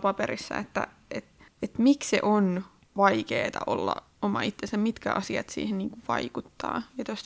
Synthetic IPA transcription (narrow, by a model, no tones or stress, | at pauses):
pɑpeɾisːɑ̰et̪ːæ̰ | et̪et̪miksḛʔon | ʋɑikeːt̪ɑʔo̰lːɑ̰ | omɑit̪ːensæmmit̪kæʔɑsiɑt̪sḭːhenniːŋkuʋʋɑikut̪ːɑːjɑt̪ost̪